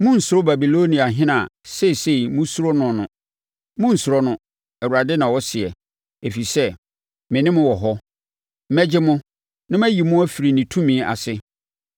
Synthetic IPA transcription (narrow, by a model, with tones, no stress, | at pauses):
mʊ̃˦n̩˨sʊ˨ɾo˦ba˨bi˨lo˦nĩ˨a˨ɦɪ̃˦nã˨se˦˨se˦˨mʊ̃˦su˦ɾɔ˦nʊ̃˨nʊ̃˨ | mʊ̃˦n̩˨sʊ˨ɾɔ˦nʊ̃˦ | ɛ˨wu˨ɾa˨dɪ˦nã˨wɔ˦sɪ˨ɛ˨ | e˨fi˨sɛ˦ | mɪ̃˨nɪ̃˦mʊ̃˦wɔ˨ɦɔ˦ | m̩˦mæ˦d͡ʑɪ˦mʊ̃˦ | nã˦mæ˦ji˨mʊ̃˦æ˦fi˨ɾi˨nĩ˨tʰũ˦mĩ˨˦ʔa̰˨sɪ˦